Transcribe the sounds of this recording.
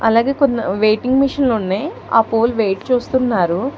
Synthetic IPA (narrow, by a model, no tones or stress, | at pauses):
ɐlaːɡe̞ːkonːɐ̰ʋeːjʈiŋɡmiʂɐnloːnːeː | a̰ːpoːlʋeːʈt͡ʃuːst̪unːaːɾu